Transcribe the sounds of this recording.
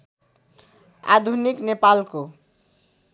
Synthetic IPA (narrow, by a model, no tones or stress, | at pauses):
a̰d̪ʱuniknepalko